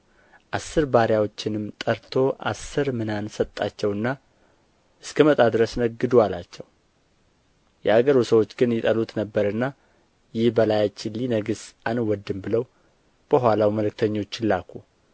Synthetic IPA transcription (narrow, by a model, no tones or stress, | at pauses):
ʔasːɨɾbaɾjawo̞t͡ʃːɪnɨmt̪ʼəɾt̪ʰo̞ʔa̰sːɨɾmɨnansət̪ʼːat͡ʃːɛwɨnːa | ʔɨskʰəmət̪ʼad̪ɾəsnəɡɨd̪ualat͡ʃːɛw | jɛaɡəɾusəwo̞t͡ʃːɡɨnjɪt̪ʼəlut̪ʼnəbːəɾɨnːa | jɪhbəlajat͡ʃːɪlːinəɡɨsʔanwɔd̪ːɨmbɨləw | b̥əɦʷalawməlɨk̚t̪ʰəɲːo̞t͡ʃːɪlːakʰu